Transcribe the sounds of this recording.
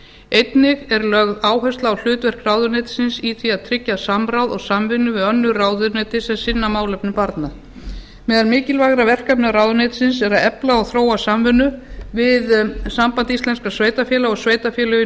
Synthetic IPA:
ejt̪nɪɣɛɾlœɣðaːwɦɛst̪laɔwl̥ʏːt̪vɛr̥kraːwðʏnet̪sɪnsiθviaðt̪ʰɾɪcːasamɾawðɔɣsamvɪnːʏvɪðœnːʏraːwðʏneːt̪ɪsɛmsɪnːamaːwlɛpnɪpaɾt̪na | mɛːðalmɪːcɪlvaːɣɾavɛr̥kapnɪɾaːwðʏneːt̪sɪnsɛɾaðɛplaɔɣθɾoːwasamvɪnːʏvɪðsampant̪ist̪lɛnskasveːjt̪afjɛːlaɔɣsveːjt̪afjɛːlʏʏ

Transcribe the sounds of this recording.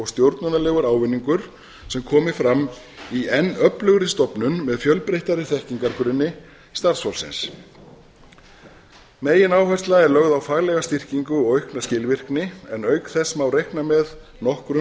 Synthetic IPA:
ɔɣst̪jowɾt̪nʏnalɛɣʏɾaːwvɪnːiŋkʏɾ̥ | sɛmkʰɔːmɪfɾamː | iɛnːœplʏɣɾɪst̪ɔpnʏnmɛðfjœlpɾejht̪aɾɪθɛhciŋkaɾkʏɾɪnːɪ | st̪aɾ̥sfawlsɪ̰ns | meːjɪnaːwhœjst̪laɛɾlœɣðawfaːɣlɛɣast̪ir̥ciŋkʏɔɣœɥhknascɪlvɪr̥knɪɛnœɥkθɛsmawrejhknamɛð | nɔhkɾʏ

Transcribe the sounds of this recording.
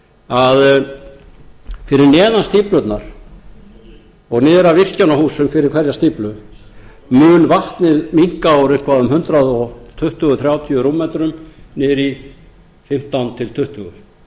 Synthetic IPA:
að | fɪɾɪɾnɛːðanst̪iːplœt̪naɾ̥ | ɔɣnɪːðɾavɪr̥cawnahuːsʏmfɪɾɪɾkʰvɛɾjast̪iːplʏ | mʏːnvaht̪nɪðmiŋ̥kaawɾeŋ̥kvaʏmɦʏnt̪ɾaðɔɣt̪ʰʏht̪ʏɣʏθɾjaːwt̪ʰiʏɾuːmɛːt̪ɾʏmnɛːɾi | fɪm̥t̪awnt̪ʰɪlt̪ʰʏht̪ʏɣʏ

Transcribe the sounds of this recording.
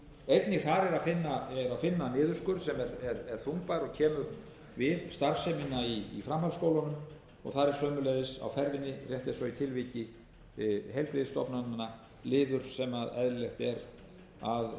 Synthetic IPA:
ejt̪nɪθaɾɛɾaðfɪnːaɛɾaðfɪnːanɪːðʏɾskʏɾ̥sɛmɛɾɛɾɛɾ̥θumpaɾɔɣcʰɛːmʏɾ | vɪðst̪aɾfsɛmɪnːaiːfɾamhalskowlanʏm | ɔ̰ɣθaɾɛɾ̥sœːmʏleðɪsa̰wfɛɾvɪnːɪr̥jɛht̪ɪsɔit̪ʰɪlvicɪ | ɦejlpɾɪðst̪ɔpnannːa | lɪːðʏɾ̥sɛmaðɛðllɛxt̪ɛɾ | að

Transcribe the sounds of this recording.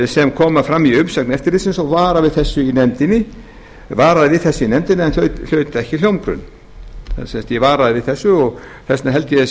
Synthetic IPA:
sɛmkʰɔːmafɾamːiʏmsaknɛft̪ɪɾlisɪnsɔwvaːɾavɪðθɛsːʏinɛnt̪ɪnːɪ | vaːɾaðɪvɪθɛsːɪinɛmt̪ɪnːɪɛnlœɥt̪l̥œːɥt̪ɛhcɪljowmkɾʏ̰n̰ | sɛmst̪jɛvaːɾaðɪvɪðθɛsːʏɔɣ | θɛsnaɦɛlt̪ɪɛs

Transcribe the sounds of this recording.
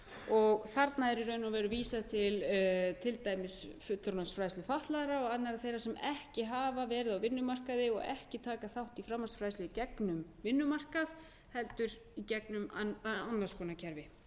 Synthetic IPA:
ɔɣθaɾt̪naɛɾɪɾœɥnavɛːɾʏviːsaðt̪ʰɪlt̪ʰɪlt̪aːjmɪsfʏt̪ːʏɾnɔsfɾajslɪfaht̪laðɾaɔɣanɛɾaθejɾasɛmɛhcɪɦaːvavɛːɾɪðawvɪnːʏmar̥kaðɪɔ̰ɣɛ̰hcɪt̪ʰaːkaθawht̪ifɾamːansfɾaːjslɪcɛknʏmvɪnːʏmar̥kað | hɛlt̪ʏɾ | icɛknʏmanːḁskʰɔːnacʰɛɾvɪ

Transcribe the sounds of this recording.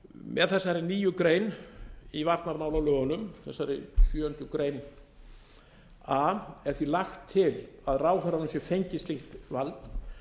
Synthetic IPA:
mɛðθɛsːaɾɪniːjʏkɾeːjnivaɾt̪naɾmaːwlawlœːɣʏnʏmθɛsːaɾɪ̰sjœːœnt̪ʏkɾeːjn | aɛɾ̥θvilaxt̪ʰːɪlaðraːwfaɾaðʏɛmsjɛfejɲcɪst̪lixt̪valt̪

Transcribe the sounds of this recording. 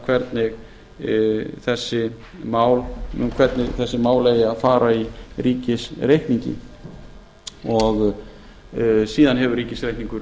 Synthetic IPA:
kʰvɛɾt̪nɪɣ | θɛsːɪ | maːwl̰mkʰvɛɾt̪nɪɣθɛsːɪmaːwlejɪaðfaːɾairiːcɪsrejhk̪niɲcɪ̰ | ɔɣ | siːðanɦɛvʏɾɾiːcɪsɾejhk̪niŋkʏɾ

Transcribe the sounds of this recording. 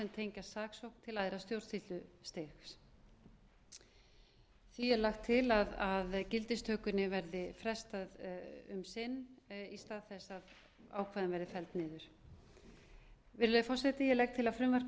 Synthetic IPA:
ɛnt̪ʰeːjɲcasaːksowhkn̥t̪ʰɪlajðɾast̪jowɾ̥t̪θit̪lʏst̪ɪxs | θvijɛlaxt̪ʰːɪlaðaðcɪlt̪ɪst̪ʰœːkʏnɪvɛɾðɪfɾɛst̪aðʏmsɪnːist̪aːðθɛsað | aːwkʰvaðɪnvɛɾðɪfɛlt̪nɪːðʏɾ̥ | vɪɾlœjfɔr̥sɛt̪ɪjɛlɛk̚t̪ʰɪlaðfɾʏmvark

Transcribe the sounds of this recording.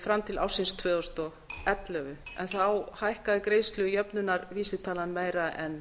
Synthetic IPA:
fɾamt̪ʰɪla̰wsɪnst̪ʰvœːðɔst̪ɔ | ɛt̪lœɣʏɛ̰nθawhajhkaðɪkɾeːjst̪lʏʏjœpnʏnːaɾviːsɪ̥t̪ʰaːlanmeːjɾaɛn

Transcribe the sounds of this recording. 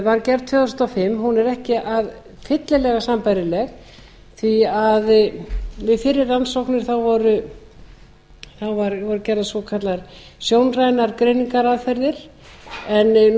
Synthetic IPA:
vaɾcɛɾðt̪ʰœːðst̪afɪmːɦunɛɾɛhcɪʔað | fɪt̪lɪlɛɣasampajɾɪlɛɣ | θviað | vɪðfɪɾːɪɾlansowknɪɾ̥θawvɔɾʏ | θawvaɾvɔɾʏcɛɾðasvɔkʰat̪laɾ | sjoːwnrajnaɾkɾeːjniŋkaɾaðfɛɾðɪɾ̥ | ɛn

